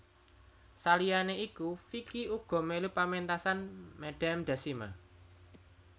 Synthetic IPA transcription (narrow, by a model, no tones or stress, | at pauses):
salijaneikufikiuɡ̥ɔ̤melupament̪asanmɛɖ̥amd̪̥a̤sima̰